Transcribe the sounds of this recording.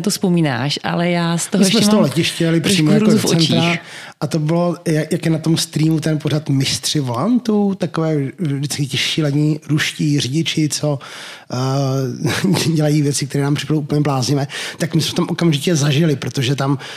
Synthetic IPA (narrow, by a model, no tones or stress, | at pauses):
t̪ospomiːna̰ːʃʔa̰lɛjaːst̪oɦsmɛst̪oɦolɛcɪʃcɛlɪpr̥iːmojaɾot͡so̰ɛnt̪ɾaʔat̪obɪlo̞jajakjɛnat̪o̞mst̪ɾiːmut̪ɛnpoɾat̪mɪst̪r̥ɪvolant̪ut̪akovɛːvdɪt͡skɪcɛʃiːlaɲiːɾuʃcirɪɟɪt͡ʃɪt͡so | ɟɛlajivjɛt͡sɪkt̪ɛɾɛːnaːmpr̥ɪ̥padowʔupəɲɛblaːzɲɪvɛːt̪akmɪsmɛft̪amʔo̞kamʒɪcɛzaʒɪlɪpɾot̪oʒɛt̪am